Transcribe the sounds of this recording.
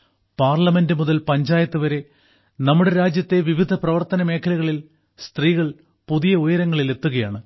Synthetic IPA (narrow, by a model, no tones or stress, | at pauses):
paːrlɐme̞ndɨmuðɐlpɐɲd͡ʑaːjɐt̪ːɨʋɐɾe̞ | nɐmːuɽe̞ɾaːd͡ʑjɐt̪ːe̞ʋiʋid̪ʱɐprɐʋɐrt̪ɐnɐmeːkʰːɐlɐɣɐɭil | st̪riːɣɐɭ | puðijɐojɐɾɐŋːɐɭile̞t̪ːuɣɐjaːɳɨ